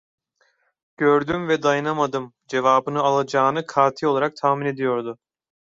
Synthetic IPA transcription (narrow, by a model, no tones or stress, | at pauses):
ɟ̥øɾd̪ymvɛd̪ajanamad̪ɯm | d͡ʒe̞vaːbɯnɯalˠad͡ʒaːnɯkʰaːt̪ʰilolˠaɾak̚t̪ʰaːmine̞d̪ijo̞ɾd̪ʊ